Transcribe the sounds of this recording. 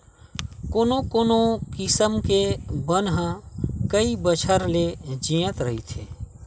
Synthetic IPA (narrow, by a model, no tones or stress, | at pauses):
koːnokoːnokɪsəmkebənɦə̃kəibət͡ʃʰəɾled͡ʒijət̪ɾəɦit̪ʰeː